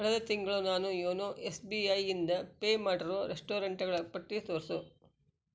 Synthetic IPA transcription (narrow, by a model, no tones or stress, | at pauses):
kɐɭɐd̪ɐt̪iŋɡɐɭunaːnujoːnoʔesbiɐjind̪ɐpeːmaːʈɐɾoɾeʂʈoːɾɐɳʈɐɡɐɭɐpɐʈːisoːɾsu